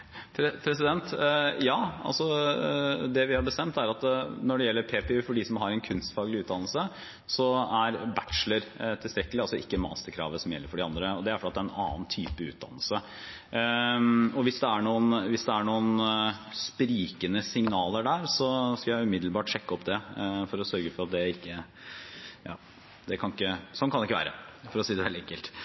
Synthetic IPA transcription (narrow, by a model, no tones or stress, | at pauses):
pʰɾɛpʰɾɛs̬ɪd̪ɛnt̪jɑːɑ̰lsɔ | d̪ɛʋɪhɑɾbəst̪ɛnt̪æɾɑt̪nɔɖɛjɛlːəɾpʰeːpɛʉːfɔɖisɔmɦɑɾɛnkʰʉnst̪fɑːɡlɪʉːt̪d̪ɑnlsə | sɔæɾbæʈʂləɾt̪ʰɪlst̪ɾɛkːəlɪɑlsɔɪkːəmɑ̰ːst̪əɾkʰɾɑ̰ːʋəsɔmjɛlːəɾfɔɖɪɑnd̪ɾəɔd̪ɛæɾfɔɖːt̪̚d̪æɾɛnɑ̰ːnt̪ʰyːpəʉ̰ːt̪̚d̪ɑ̰nːəl̩sə | ɔʋɪsd̪ɛæɳuːənʋɪsd̪ɛæɳuːənspɾiːkənəsɪŋnɑːləɖæːɾsɔskɑljæɪʉmɪd̪l̩bɑːʈʂɛkːəɔpd̪ɛfɔɾɔsœɾɡəfɔɾɑt̪̚d̪ɛɪkːə | jɑ̰ː | d̪ɛkʰɑnɪkːəsɔnkʰɑnɛɪkːəʋæ̰ːɾə̰fɔɾɔsiːd̪ɛʋɛld̪ɪɛŋkːəlt̪